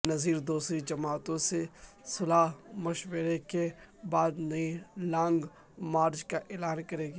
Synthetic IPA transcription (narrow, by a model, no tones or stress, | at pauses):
nɐziːɾd̪uːsɾid͡ʒɐmaːt̪õse | sʊlaːɦmɐʃweːɾekebaːd̪nɐĩlãːŋɡ | maːɾd͡ʒkaʔeːlaːnkɐɾeːɡː